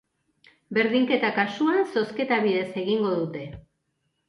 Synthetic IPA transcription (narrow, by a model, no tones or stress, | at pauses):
be̞ɾðiŋke̞t̪akasuanso̞ske̞t̪aβiðe̞se̞ɣiŋɡo̞ðut̪e̞